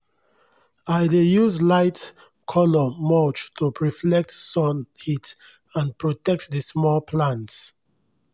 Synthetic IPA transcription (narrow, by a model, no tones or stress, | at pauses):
aɪdejuzlaɪt | kʰɔlɔmɔt͡ʃtʰupʰɹiflɛk̚tsɔ̃nhit | ãnpɹotɛk̚tdismɔlpʰlãnts